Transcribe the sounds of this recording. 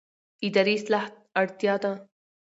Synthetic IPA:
id̪ɐɾiːslaht̪̚ɐɽt̪jaːt̪ãː

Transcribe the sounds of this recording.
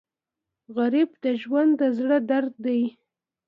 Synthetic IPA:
ɣaɾibd̪əʒwand̪əzɽəd̪aɾd̪̚d̪aj

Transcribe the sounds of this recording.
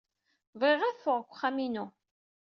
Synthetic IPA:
vʁeʁæθfʊʁkʷːχːaminu

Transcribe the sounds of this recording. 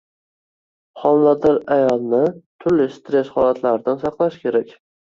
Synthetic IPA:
χɒnlad̪ɪɾajɒlˠnɪt̪ʰʊɾlɪst̪ɾe̞sχɒlˠat̪ʰlaɾɪd̪ansɑqlˠaʃkʲʰe̞ɾakʲ

